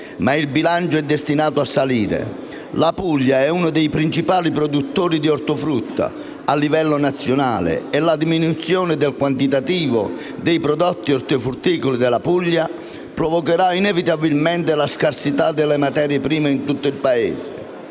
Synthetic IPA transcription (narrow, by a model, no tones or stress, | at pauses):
mailbilant͡ʃʊɛd̪ːest̪inaːt̪ʊasːaliːɾḛ | lapuʎːaɛunʊd̪ɛjpɾint͡ʃipaːlipɾɔd̪ut̪ːoːɾid̪iɔɾt̪ʊfɾut̪ːa̰ | alːivɛlːʊnat̪sːjona̰ːlɪ̰ɛlad̪iminut̪sːjɔːnɪd̪ɛlkwant̪it̪at̪iːvʊ̰ | d̪ɛjpɾɔd̪ɔt̪ːiɔɾt̪ʊfɾut̪ːiːkolid̪ɪlapuʎːa | pɾɔvɔkeɾainɛvit̪abilmɛnt̪ɪlaskarsit̪ad̪ːɛlːɪmat̪ɛːɾjepɾiːmeint̪ut̪ːʊilpaḛːzɪ̰